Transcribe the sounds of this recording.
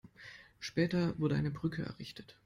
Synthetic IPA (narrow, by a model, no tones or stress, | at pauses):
ʃpɛːtɐvʊɐdəʔa̰ɪnəbʁʏkʰəɛ̰ɐʁɪçtʰə̥t